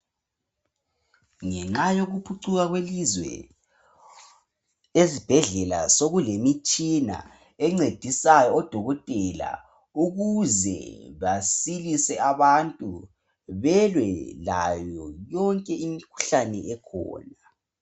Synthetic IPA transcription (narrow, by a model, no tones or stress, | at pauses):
ŋɛŋ͡ǁajoɣupʰuǀuɣaɣwelizwɛ̰ | ezib̥ʱɛɮɛla̰soɣulemit͡ʃʼina̰ | ɛŋ͡ǀed̥ʱisajɔɔd̥ʱɔɣɔtʼɛla̰ | uɣuzɛ̰βasilisɛaβantʼu | βɛlwɛla̰jɔjɔŋkʼɛimikʰu̥ɬanɛɛkʰɔ̰ːna